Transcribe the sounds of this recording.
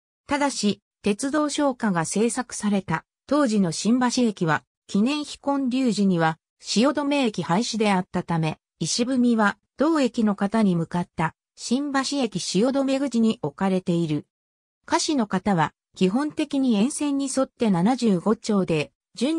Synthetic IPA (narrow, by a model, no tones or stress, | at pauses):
t̪ad̪aɕi | t̪e̞t͡sɨd̪o̞ːɕo̞ːkaɡase̞ːsakɯ̟̥saɾe̞t̪a | t̪o̞ːʑino̞ɕĩmbaɕie̞kʲiβa | kʲinẽ̞ɰ̃çi̥kõ̞ɲɾʲɨːʑiɲ̟iβa | ɕijo̞d̪o̞me̞ːkʲihaiɕid̪e̞at̪ːat̪ame̞ | iɕibɯ̟mʲiβa | d̪̥o̞ːe̞kʲino̞kat̪aɲ̟imɯ̟kat̪ːa | ɕĩmbaɕie̞kʲiɕijo̞d̪o̞me̞ɡɯ̟d͡ʑiɲ̟iʔo̞kaɾe̞t̪e̞iɾɯ̟ | kaɕino̞kat̪aβa | kʲiɦõ̞nt̪e̞kʲiɲ̟iẽ̞ɰ̃sẽ̞ɲ̟ːiso̞t̪ːe̞nanaʑɨːɡo̞t͡ɕo̞ːd̪e̞ | d͡ʑɨ̃